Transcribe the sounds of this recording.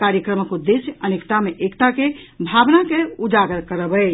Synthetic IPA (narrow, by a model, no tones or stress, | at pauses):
kaɾjəkɾəməkud̪esʔənekt̪ameʔekt̪akebʱabnakeud͡ʒaɡəɾkəɾəbə